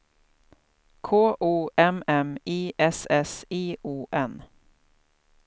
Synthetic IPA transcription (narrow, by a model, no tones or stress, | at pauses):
kʰoːʔuːʔɛmɛmiːʔɛsɛsiːʔuːʔɛn